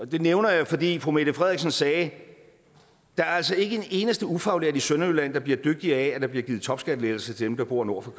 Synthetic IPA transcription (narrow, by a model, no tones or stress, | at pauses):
ɒd̥e̝neʊnɐjafɒ̽d̥ḭːfʁume̝d̥əfʁɛð̞ˠiɡsɒnsɛː | d̥ɑ̈æɐæl̰sɒ̽e̝ɡ̥ə̥ene̝ːnəsd̥əufɑ̈ʊleɐ̰̥isønɐylæn̰d̥ɑ̈b̥liɐd̥øɡ̥̚d̥iɐææd̥ɑ̈b̥liɐɡið̩ˠt͡sʰɒ̽b̥sɡ̥æd̥əleːðl̩sət͡sʰe̝d̥emd̥ɑ̈b̥o̝ɐ̰no̝ɐ̰fɒkʰ